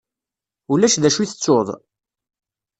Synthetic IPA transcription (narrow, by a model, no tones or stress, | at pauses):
ulæʃðæʃuiθə̥t͡sːoðˤ